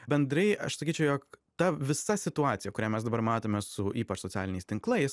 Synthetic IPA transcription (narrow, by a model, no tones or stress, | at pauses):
bʲɛnd̪ɾɐɪɐ̰ʃsɐkʲiːt͡ʃʲɛʊjoːkt̪ɐʋʲɪsɐsʲɪt̪ʊɑːt̪ʲɪjɛkʊɾʲæːmʲɛsd̪ɐbɐɾmɑːt̪oːmʲeːssʊiːpɐt͡ʃsoːt͡s̪sʲæ̰ːlʲɪnʲɛɪst̪ʲɪŋklˠɐɪs